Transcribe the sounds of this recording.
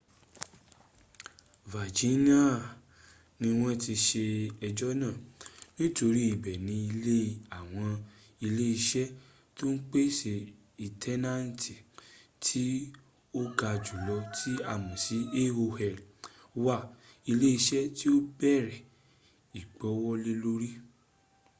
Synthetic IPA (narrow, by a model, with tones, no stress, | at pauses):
va˨d͡ʒi˨˦ni˦a˦˨ | nĩ˧w̃ɔ̃˦ti˧ʃe˧ɛ˧d͡ʒɔ˦nãː˦˨nĩ˦to˧ɾi˦i˨bɛ˨nĩ˧i˧le˦˨a˨w̃ɔ̃˧ | i˧le˦i˧ʃɛ˦ | to˦n̩˦k͡pe˦ʃe˧ | i˨tʰɛ˦nã˦n˨ti˨tʰi˦ | o˦ɡa˧˨d͡ʒu˨lɔ˧tʰi˦a˦˨mũ˨si˨˦e˦ho˧hɛ˧˨l | wa˦˨i˧le˦i˧ʃɛ˦ti˦o˦bɛ˦˨ɾɛ˨ | i˨k͡pɔ˨˦wɔ˦le˦lo˦ɾi˦